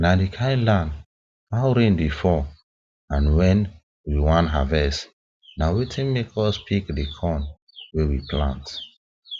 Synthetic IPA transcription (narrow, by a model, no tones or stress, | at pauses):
nadikʰãɪ̃nlãnd | hawɾẽndifɔ | ãnwɛ̃n | wiwãnɦavɛs | nawetʰɛ̃nmekʰɔspʰikdikʰɔ̃n | wɛwiplã̰nt